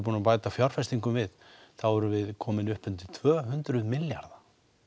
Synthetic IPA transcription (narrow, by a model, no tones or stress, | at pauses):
puːnapaːjt̪afjɔr̥fɛst̪iŋkʏmvɪðθavɔɾʏmvɪðkʰɔːmɪnʏhpʏnt̪ɪ̥t̪ʰvœːɦʏnt̪ɾʏðmɪlja̰ɾða